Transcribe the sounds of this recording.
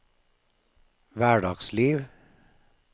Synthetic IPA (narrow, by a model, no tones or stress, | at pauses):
ʋæːɖɑːɡsliːʋ